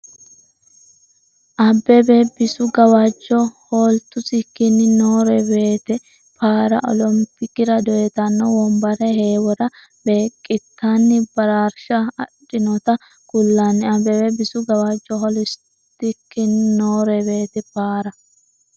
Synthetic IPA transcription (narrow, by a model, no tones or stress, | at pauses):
ʔɐbːɛbebɪsʊɡɐwad͡ʒːɔhoːlt̪ʊsɪkːɪnːɪnoːɾɛbe̞ːt̪ɛ | paːɾɐ̰ʔɔ̰lɔmpɪkːɪɾɐd̪ɔʔɛt̪ɐnːɔwɔmbɐɾɛheːwɔɾɐ | be̞ːkʼːɪt̪ːanːɪbɐɾaːɾʃɐɐᶑɪnɔt̪ɐ | ɡ̥ʊlːaːnːɪɐbɛbɛbɪsʊɡɐwad͡ʒːɔɦɔlɪs | t̪ːɪkːɪnnoːɾɛbe̞ːt̪ɛpaːɾɐ